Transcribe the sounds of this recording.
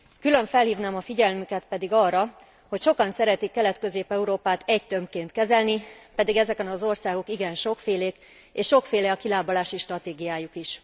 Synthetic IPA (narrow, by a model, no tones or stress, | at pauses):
kylø̞ɱfɛlhiːvnaːmɒfiɟɛlmykɛt̪pɛd̪iɡɒrːɒ | ho̞cʃo̞kɒnsɛɾɛt̪ikːɛlɛt̪køzeːpɛuɾoːpaːt̪ɛɟt̪ø̞mpkeːnt̪kɛzɛlnipɛd̪iɡɛzɛkɛnɒzo̞rsaːɡo̞kiɡɛnʃo̞kfeːleːk | eːʃʃo̞kfeːlɛɒkilaːbolaːʃiʃt̪rɒt̪eːɡijaːjukiʃ